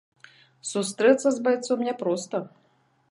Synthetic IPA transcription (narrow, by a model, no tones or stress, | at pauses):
sust̪ɾɛt̪sːɐzbajt̪sɔmnʲɛpɾɔst̪ɐ